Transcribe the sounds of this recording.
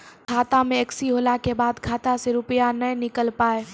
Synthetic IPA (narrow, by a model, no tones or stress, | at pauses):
kʰaːt̪amẽɐksiɦoːlakebaːd̪kʰaːt̪aseɾʊpjanɐɦnɪkəlpaːeː